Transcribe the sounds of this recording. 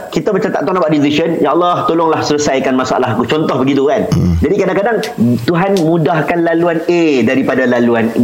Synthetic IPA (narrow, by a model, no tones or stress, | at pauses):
kit̪abət͡ʃat̪a̰ʔt̪onabaʔdiliʃənjaalːaht̪olʊŋlahsələsajkanmãsaʔa̰laɦkut͡ʃɔnt̪ɔhbəɡit̪̬ukand͡ʒadikadaŋkadaŋ | t̪uɦanmũdahkanlaluanedaɾipadalaluan